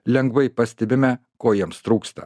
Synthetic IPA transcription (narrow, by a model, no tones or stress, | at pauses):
lʲɛŋɡʋɐɪpɐsʲt̪ʲɛbʲɪmʲɛ | koːjiɛmst̪ɾuːkst̪ɐ̰